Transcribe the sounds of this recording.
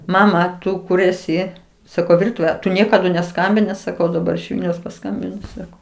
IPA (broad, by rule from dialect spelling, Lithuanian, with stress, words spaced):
ˈmɑːmɐ ˈtʊ ˈkʊr ˈæːsʲɪ sɐˈkɐʊ ˈʋʲɪrtʊʋʲeː tʊ ˈnʲiɛkɐdʊ nʲɛˈskɐmʲbʲɪnʲɪ sɐˈkɐʊ dɐˈbɐr ɪʃ ˈʋʲɪlʲnʲɛʊs pɐˈskɐmʲbʲɪnoː ˈsɑːkoː